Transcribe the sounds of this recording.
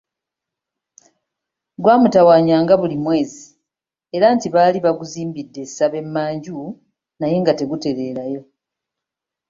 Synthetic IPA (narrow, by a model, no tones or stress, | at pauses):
ɡwaːmutawaːɲaːŋɡaβulimwe̞ːzi | e̞ɾaːntiβaːliβaɡuziːmbidːe̞saβe̞mːaːɲɟu | naje̞ŋɡate̞ɡute̞ɾe̞ːɾajo̞